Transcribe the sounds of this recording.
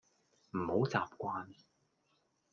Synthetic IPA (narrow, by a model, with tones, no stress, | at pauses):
m̩˨˩ho˨˧˥wt͡sa̰ː˨p̚kʷaː˧n